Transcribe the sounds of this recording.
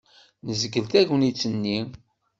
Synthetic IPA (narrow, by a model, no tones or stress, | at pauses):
nəzəɡəlt̪æʝənit͡sːənːi